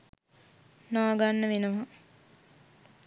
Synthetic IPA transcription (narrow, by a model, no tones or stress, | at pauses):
naːɡanːəʋenəʋa